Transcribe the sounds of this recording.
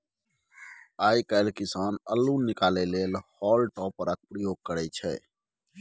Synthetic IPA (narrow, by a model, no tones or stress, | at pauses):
aːikəlkisaːnəlːunikalelelhɔːlʈɔːpɾək̚pɾəjoɡ̚kəɾɛt͡ʃʰɛ̰ː